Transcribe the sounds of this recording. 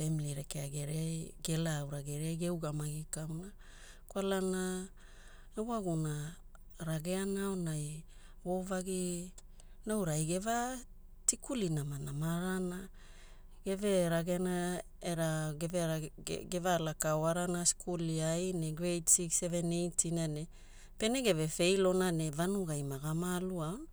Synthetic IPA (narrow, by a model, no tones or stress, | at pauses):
femiliɾekeaɡeɾeajɡe̞lawɾaɡeɾeajɡewɡamaɡikawna | kwalana | ewaɡuna | ɾaɡe̞anao̞naj | wo̞vaɡi | nawɾajɡe̞va | tikulinamanamaɾana | ɡ̥e̞ve̞ɾaɡeana | eɾaɡevea̰ɡevalakaoaɾanaskʰuliajneɡɾejtsiksevenejtʰinane | pe̞neɡe̞ve̞fe̞jlo̞nane̞vanuɡajmaɡamalua